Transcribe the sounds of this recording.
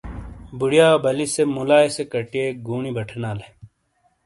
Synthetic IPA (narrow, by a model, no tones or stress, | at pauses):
buɽijaːbʱɐlisemulaːesekɐʈieːɡuːɳibɐʈʰnaːle